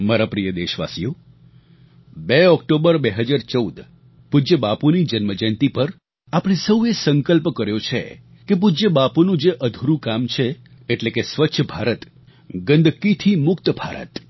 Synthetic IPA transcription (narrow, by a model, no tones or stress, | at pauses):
maɾapɾijəd̪eʃʋa̰sijo | beɔk̚ʈobəɾbeɦəd͡ʒaɾt͡ʃəud̪ | pud͡ʒəbapunid͡ʒənməd͡ʒənt̪ipəɾ | apɽ̃esəuesəŋkəlpkəɾjot͡ʃʰḛ | kep̬ud͡ʒəbapunũd͡ʒeʔəd̪ʱuɾũkamt͡ʃʰeː | ʈlekesʋətːʃʰəbʱaɾət̪ | ɡə̃nd̪ʱkit̪ʰimʊkt̪bʱa̰ɾə̰t̪